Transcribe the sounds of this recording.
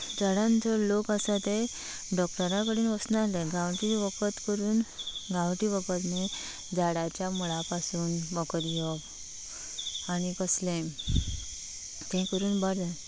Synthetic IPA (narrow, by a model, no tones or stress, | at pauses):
d͡zaɽãnt͡sɔlokəsat̪e | ɖɔkʈəɾãkəɽiːnʋəsnalẽɡãwʈiʋəkət̪kəɾuːnɡawʈiʋəkət̪ne | d͡zaɽat͡ɕjamuɭapasuːnbəkəɾjɔb | añikəslẽ | t̪ɛ̃kəɾuːnbəɾd̪ə